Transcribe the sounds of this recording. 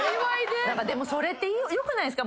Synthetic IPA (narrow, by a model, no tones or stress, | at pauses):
iwajd̪ed̪akad̪emosoɾet̪ːeiojokɯnãsɨka